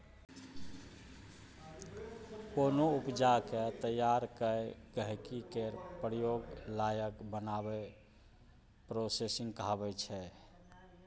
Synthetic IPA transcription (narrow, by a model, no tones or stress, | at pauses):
konoupd͡ʒaket̪əjaɾkəɡəɦkikeɾpɾjoɡlajəkbənabe | pɾosesĩŋɡkɦabɛt͡ʃʰɛ